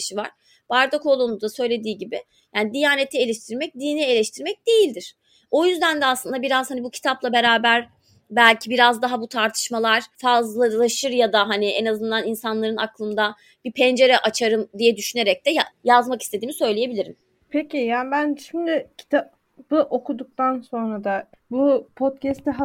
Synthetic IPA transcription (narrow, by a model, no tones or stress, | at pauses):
ʃiva̰ɾ̥ | b̥aɾd̪ako̞lˠonud̪asø̞jlʲe̞d̪iːɟibɪ | jaːnid̪ijaːnet̪ʰie̞lʲɛʃt̪ʰiɾmɛc̚d̪iːnie̞lʲɛʃt̪ʰiɾmɛc̚d̪̥ejilʲd̪iɾ̥ | o̞jyzd̪ænd̪ɛaslˠɯnd̪abiɾaz̥hanibucʰi̥t̪ʰaplˠabe̞ɾaːbæɾ | bælʲcʰibiɾazd̪aɦabut̪ʰaɾt̪ʰɯ̥ʃmalˠaɾ̥fazlˠalˠaʃɯɾjad̪aɦaniʔenazɯnd̪aninsanlˠaɾɯna̰klˠɯmd̪a | b̥ipʰɛnd͡ʒe̞ɾɛʔat͡ʃʰaɾɯmd̪ijɛd̪yʃyneɾɛc̚t̪d̪ɛjajazmaki̥st̪ʰe̞d̪iːmisø̞jlʲeje̞bilʲiɾim | pʰecijaːnbænʃimd̪ɪcʰi̥t̪ʰa | b̥ɯʔo̞kud̪uk̚t̪ʰanso̞nɾad̪abupʰot̪cɛst̪ɛɦa